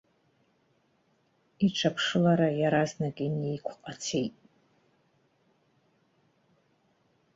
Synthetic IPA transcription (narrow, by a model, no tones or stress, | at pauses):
iʈ͡ʂʷʰapʰʂɨlaɾajaɾaznakʲʼinejkʷʰqʼat͡sʰejtʼ